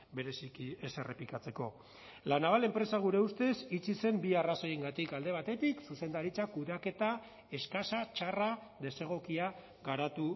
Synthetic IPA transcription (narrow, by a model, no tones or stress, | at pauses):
be̞ɾe̞sikie̞se̞re̞pikat͡se̞ko̞ | lanaβale̞mpɾe̞saɣ̞uɾe̞ust̪e̞sit͡sise̞mbiaraso̞je̞ŋɡat̪ikald̪e̞βat̪e̞t̪iksuse̞nd̪aɾit͡sakuðake̞t̪a | e̞skasat͡ʃaraðe̞se̞ɣ̞o̞kia | ɣaɾat̪u